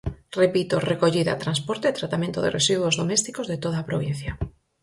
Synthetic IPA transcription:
repit̪orekoʎiða̰t̪ɾanspoɾt̪eːt̪ɾat̪amẽnt̪oðḛrḛsiðwozðomɛst̪ikozðet̪oðaːpɾoβ̞in̟θjɐ

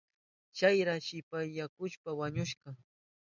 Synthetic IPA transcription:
t͡ʃajɾaʃɪpajːakʊʃpawaɲʊʃɢɑ

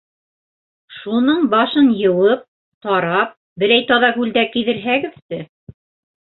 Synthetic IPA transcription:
ʃunɤɴbɑʃɤnjɤ̆wɤp̚ | t̪ɑɾɑp̚ | bɘ̆ɾæjt̪ɑðɑɡʉld̪ækiðɘ̆ɾɦæɡɘ̆ðt̪ɘ

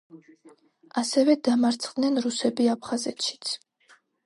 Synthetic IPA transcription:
asɛvɛd̪amaɾt̪sʰχʼd̪nɛnɾusɛbiapʰχazɛt̪ʃi̥t̪sʰ

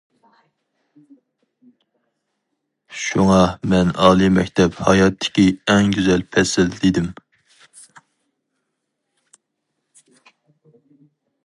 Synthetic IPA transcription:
ʃuŋɑmɛnɑːlˠɨmɛkʲt̪ʰɛphɑjɑt̪ʰːɪ̥kʲiɛŋɡʲyzɛlpʰɛsɪld̪ɪd̪ɪm

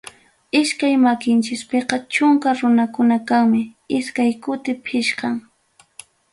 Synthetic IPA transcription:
ɪʃkajmakɪnt͡ʃɪspeqɑt͡ʃʊŋkaɾʊnakʊnakaŋmɪ | ɪskajkʊt̪ɪpʰɪʃkɑŋ

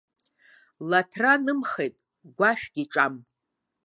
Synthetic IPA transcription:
latʰranɨmχejtʼ | ɡʷaʃᶣɡʲiʈ͡ʂʼam

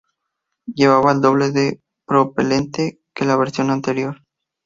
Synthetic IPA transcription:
ɟ͡ʝe̞β̞aβaeld̪o̞β̞leðe | pɾo̞pele̞nt̪e | ke̞laβeɾsjo̞nant̪e̞ɾjo̞ɾ

